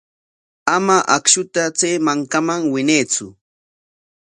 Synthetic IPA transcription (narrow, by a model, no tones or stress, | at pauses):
amaʔakʃʊt̪at͡seːmaŋkamaŋwɪneːt͡sʊ